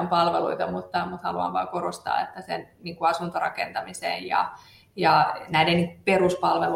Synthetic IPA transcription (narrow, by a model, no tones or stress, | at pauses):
mpɑlʋeluit̪ɑmut̪ːɑmut̪hɑ̰luɑ̰ʋʋɑ̰ːkorost̪ɑ̰ːḛt̪ːæsḛnniːŋkuɑsunt̪orɑ̰kent̪ɑmisḛjjɑ̰ | jɑnæideniŋkuperuspɑlʋelu